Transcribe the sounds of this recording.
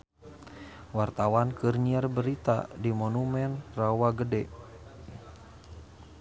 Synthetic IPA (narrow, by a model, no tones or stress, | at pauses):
wart̪awankɨrɲiarbəɾit̪a̰dimɔnumɛnrawaɡədɛ